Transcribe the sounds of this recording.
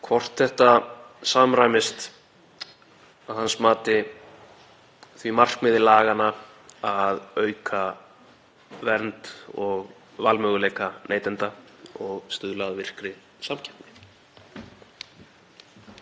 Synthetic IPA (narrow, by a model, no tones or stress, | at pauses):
kʰvɔr̥t̪θɛht̪asaːmɾajmɪst̪ | aðhansmaːt̪ɪ | θvimar̥kmɪðɪlaːɣanːa | aðœːɥkʰa | vɛɾnt̪ɔɣ | valmœːɣʏleːjkanʔeːjt̪ɛnt̪aɔɣst̪ʏðlaðvɪr̥kɾɪ | samcʰɛp̪nɪ